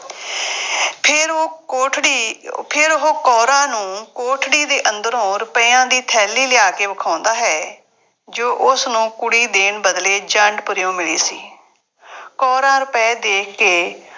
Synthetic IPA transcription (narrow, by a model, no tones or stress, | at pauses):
pʰɪɾoːkoːʈʰɽiːpʰɪɾɦoːkɔːɾãːnũːkoːʈʰɽiːd̪eːʔə̃nd̪əɾõːɾʊpɛːãːd̪iːt̪ʰɛːlːiːlɪjaːkeːʋəkʰãːnd̪aːɦɛː | d͡ʒoːʔʊsnũːkʊɽiːd̪eːɳbəd̪leːd͡ʒəɳɖpʊɾjõːmɪlḭːsḭː | kɔːɾãːɾʊpɛːd̪eːkʰkeː